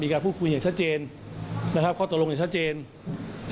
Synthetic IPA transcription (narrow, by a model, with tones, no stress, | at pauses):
miː˧kaː˧npuː˥˩kʰu˧jaː˨˩ŋt͡ɕʰa˦˥t̪̚t͡ɕeː˧n | na˦˥kʰa˦˥p̚kʰɔː˥˩t̪u˩lo˧ja˨˩ŋt͡ɕʰa˦˥t̪̚t͡ɕeː˧n